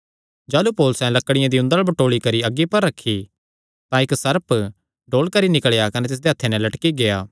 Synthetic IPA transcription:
d͡ʒaːlupoːlʊsɛ̃lɐkːəɽɪjãd̪iʊ̃nd̪əɭbɐʈoːɭikɐɾiɐɡːipɐɾːɐkʰːi | t̪ãɪksɐɾəp | ɖoːlkɐɾinɪkəɭjakɐnɛt̪ɪs̬d̪eɐt̪ʰːenɛ̃lɐʈkiɡejaː

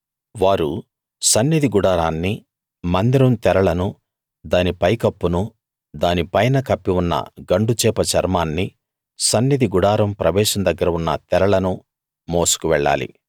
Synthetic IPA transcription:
ʋaːɾu | sɐnːid̪ʱiɡuɽaːɾaːnːi | mɐnd̪iɾɐmt̪ɛɾɐɭɐnu | d̪aːnipɐjkɐpːunu | d̪aːnipɐjnɐkɐpːiunːɐ̰ɡɐɳɖut͡ʃɛːpɐt͡ʃɐɾmaːnːi | sɐnːid̪ʱiɡuɽaːɾɐmpɾɐʋɛːʃɐmd̪ɐɡːɐɾɐunːɐ̰t̪ɛɾɐɭɐnu | moːsu̥kuʋɛɭːa̰ːlḭ

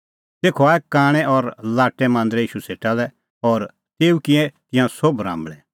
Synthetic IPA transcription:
t̪eːkʰoaːɛkaːɽ̃ɛʔɔɾlaːʈːɛmãːnd̪ɾɛiːʃuseːʈalɛ | ɔːɾ | t̪eːukɪ̃ɛ̃t̪ɪ̃jãsobɾã̰ːmbɭɛ

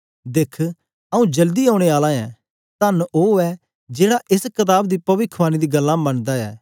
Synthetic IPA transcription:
d̪eːkʰ | ɐũd͡ʒɐld̪iɦaːʊɽ̃eaːlãɛ̃ | t̪ɐnoːɛ | d͡ʒeːɽaʔɪskɐt̪̬aːbd̪ipɐʋɪkʰʋaːnid̪iɡɐlːãmɐnd̪aɛ̰ː

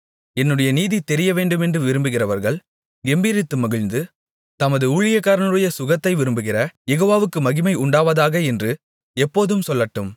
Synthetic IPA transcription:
ɛnːɯɽɐjɐniːðit̪ːɛɾɪjɐʋeːɳɖɯmɛndrɯʋɪɾɯmbɯɣɪrɐʋɐɾɣɐɭ | ɡɛmbiːɾɪt̪ːɯmɐɣɪɻnd̪ɯ | t̪ɐmɐðɯuːɭɪjɐkːaːɾɐnɯɽɐjɐsʊɣɐt̪ːɐɪʋɪɾɯmbɯɣɪrɐjɛɣoːʋaːʋɯkːɯmɐɣɪmɐɪʊɳɖaːʋɐðaːɣɐɛndrɯ | ɛpːoːðɯmsɔlːɐʈːɯm

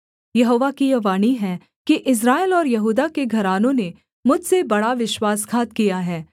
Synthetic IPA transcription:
jɐɦoːʋakijɐʋaːniɦɛː | kiʔɪs̬ɾaːɪlɔːɾjɐɦuːd̪akeɡʱɐɾaːnõne | mʊd͡ʒʱsebɐɽaʋɪʃwaːskʰaːt̪kijaɦɛː

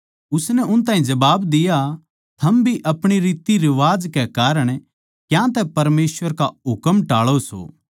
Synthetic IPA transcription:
ʊsnɛʔʊnt̪̬ãːĩd͡ʒɐbaːbd̪ɪja | t̪ʰɐmbʱiʔɐpɽ̃iɾiːt̪iɾɪʋaːd͡ʒkɛkaːɾəɽ̃ | kjãːt̪ɛpɐɾmeːsʋəɾkaɦʊkəmʈaːɭoso̰ː

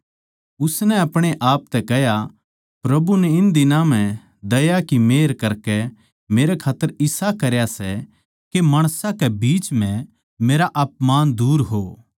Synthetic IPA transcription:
ʊsnɛɐpɽ̃eʔaːp̚t̪ɛkɛɦja | pɾɐbunɛɪnd̪ɪnãm̤ɛ̃ | d̪ɐjakimeːɾkɐɾkɛ | meːɾɛkʰaːt̪ːəɾɪsakɐɾjasɛ | kemaːɽ̃sãkɛbiːt͡ʃm̤ɛ̃ | meːɾaʔɐːpmaːnd̪uːɾɦoː

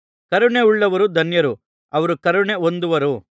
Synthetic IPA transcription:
kɐɾuɳe̞uɭːɐʋɐɾud̪ʱɐnjɐɾu | ɐʋɐɾukɐɾuɳe̞ond̪uʋɐɾu

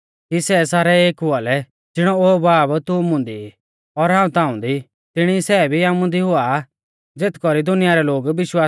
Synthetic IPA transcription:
kisɛsaːɾɛeːkɦʊalɛ | d͡zɪɽ̃ɔoːbaːbt̪ʊmʊ̃nd̪i | ɔɾɦãːũt̪ãːʊ̃nd̪i | t̪ɪɽ̃isɛːbʱiaːmʊ̃nd̪iɦʊa | d͡zet̪kɔɾid̪ʊnɪjaɾɛloːɡʋɪʃwaː

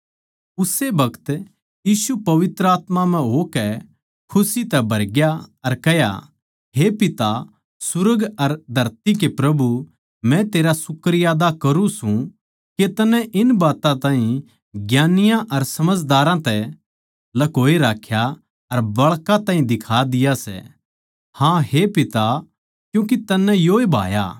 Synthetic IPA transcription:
ʊsebɐkət̪ | jiːsupɐʋɪt̪ɾəaːt̪mãm̤ɛ̃ɦokɛ | kʰʊsit̪ɛbʱɐɾɡjaɐɾkɐja̰ | ɦepɪt̪a | sʊɾəɡɐɾd̪ʱɐɾt̪ik̬epɾɐbu | mɛ̃t̪eːɾasʊkːəɾɪjaːd̪akɐɾũsũ | ket̪ɐnːɛ̃ʔɪnbaːt̪ãt̪ãːɦĩ | ɡjaːnɪjãʔɐɾsɐməd͡ʒd̪aːɾãt̪ɛ | lɐkoːeɾaːkʰja | ɐɾbɐɭkat̪ãːɦĩd̪ɪkʰaːd̪ɪjasɛ̰ | hãhepɪt̪a | kjũːk̬it̪ɐnːɛ̃joːebʱa̰ːja̰

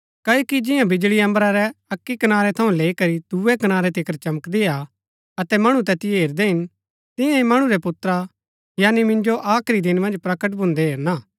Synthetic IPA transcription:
kɐːoːkid͡ʒɪ̃jãbɪd͡ʒɭiɐ̃mbɾaɾɛɐkːikɐnaːɾɛt̪ʰɐũleːikɐɾid̪̥uːɛkɐnaːɾɛt̪ʰɪkəɾt͡ʃɐməkd̪ɪa | ɐt̪ɛmɐɽ̃ut̪ɛt̪ɪeeːɾd̪eɦɪn | t̪ɪ̃jãimɐɽ̃ũɾɛpʊt̪ːɾa | jaːnimɪ̃nd͡ʒoʔaːkʰɾid̪ɪnmɐ̃nd͡ʒpɾɐkəʈ̬bʱʊ̃nd̪eɦeːɾnaː

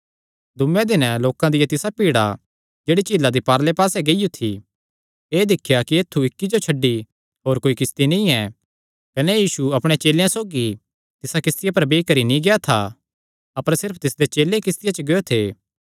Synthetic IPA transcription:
d̪ʊmjẽd̪ɪnloːkãd̪ɪjat̪ɪsapiːɽa | d͡ʒeːɽit͡ʃiːlad̪ipaːɾlepaːsɛɡeɪjut̪ʰi | eːd̪ɪkʰjakieːt̪ʰːuɪkːid͡ʒot͡ʃʰɐɖːi | ɦoːɾkoːikɪst̪inĩɛ | kɐnɛjiːsuɐpɽ̃et͡ʃeːljãsoːɡi | t̪ɪsakɪst̪ɪjapɐɾbeːikɐɾinĩɡeat̪ʰa | ɐpəɾsɪɾpʰt̪ɪsd̪et͡ʃeːlẽkɪst̪ɪjat͡ʃəɡejot̪ʰeː

